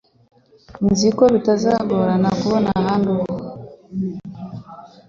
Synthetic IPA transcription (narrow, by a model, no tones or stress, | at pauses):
nzikoβitazaːɡoɾanakuβonahaːnduβa